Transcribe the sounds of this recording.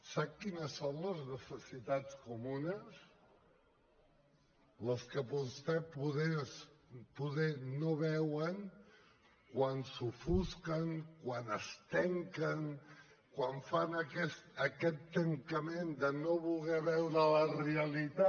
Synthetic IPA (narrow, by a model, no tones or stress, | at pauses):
sakːinəsːonləznəsəsit̪at͡skumunəs | ləskəpust̪ɛpuðɛspuðɛnoβɛwəŋ | kwansufuskəŋkwanəst̪ɛŋkəŋ | kwaɱfanəkɛst̪əkɛt̪ːəŋkəmend̪ənoβulˠɣɛβɛwɾələreəlit̪a